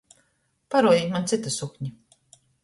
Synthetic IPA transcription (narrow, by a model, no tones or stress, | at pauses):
paɾɔɔjiːkmant̪sit̪asukɲi